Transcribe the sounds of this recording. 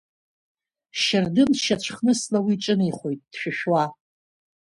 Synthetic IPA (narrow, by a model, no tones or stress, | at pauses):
ʃardɨnʃat͡ɕʷʰχnɨslawiʈ͡ʂʼɨniχʷo̞jtʼd̥ʃᶣɪʃᶣwa